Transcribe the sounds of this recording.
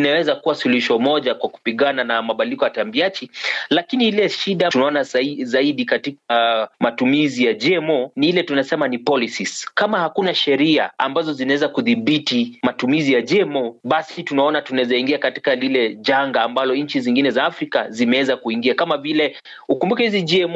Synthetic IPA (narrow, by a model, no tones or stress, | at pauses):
nawɛzakuwasuluʃɔmɔʄakwaku̥piɠananamaɓalikɔjatambiat͡ʃilakiniilɛʃiɗatunaɔnazaiɗikatikamatumizijaʄɛmɔniilɛtunasɛmanipɔlisiskamahakunaʃɛɾia̰a̰mbazɔzinawɛzakuðiɓitimatumizijaʄɛmɔɓasitunaɔnatunaɛzaiŋɡiakati̥kalilɛʄaŋɡaːmbalɔɲ̩t͡ʃiziŋɡinɛzaːfɾika̰zimɛwɛzakuiŋɡiakamavilɛ | ukumbukɛhiziʄɛɛm